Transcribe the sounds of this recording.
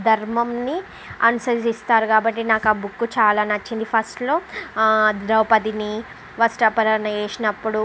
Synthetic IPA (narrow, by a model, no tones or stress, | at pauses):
d̪ʱɐɾmɐmni | ɐnusɐsist̪aːɾukaːbɐʈːinaːkaːbukːut͡ʃaːlaːnɐt͡ʃːind̪ipʰɐsʈlo̞ː | d̪ɾɐʋpɐd̪ini | ʋɐsʈɐpɐɾɐɾnɐeːʂinɐpːuɽu